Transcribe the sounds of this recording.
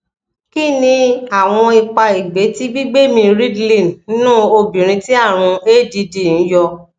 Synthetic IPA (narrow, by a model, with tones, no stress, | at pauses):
ki˦nĩ˧a˦˨w̃ɔ̃˧i˧k͡pa˧i˨ɡ͡be˨˦ti˦ɡ͡bi˦ɡ͡be˦mĩ˧ɾi˦ɡlĩ˦˨n˦nũ˦o˧bĩ˨ɾ̃ĩ˧ti˦a˦˨ɾ̃ũ˧e˦˨di˧di˦˨n̩˨˦jɔ˧